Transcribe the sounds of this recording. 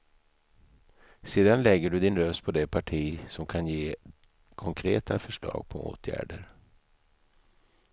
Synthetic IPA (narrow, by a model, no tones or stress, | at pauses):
seːd̪anlɛɡːəɖɵd̪ɪnɾœst̪̚pʰɔd̪ɛpʰaʈʰiːsɔmkʰanjeː | kʰɔŋkʰɾeːt̪ʰafœʂɭɑ̰ːɡ̥̚pʰɔ̰ʔo̰ːt̪ʰjæ̰ːɖəɾ